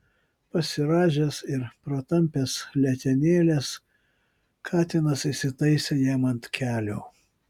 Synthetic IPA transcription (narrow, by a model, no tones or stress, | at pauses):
pɐsʲɪɾɑːʒʲeːsɪɾpɾɐt̪ɐmʲpʲeːslʲɛt̪ʲɛnʲeːlʲeːs | kʰɑːt̪ʲɪnɐsɪsʲɪt̪ɐɪsʲeːjæːmɐnt̪kʲæːlʲoː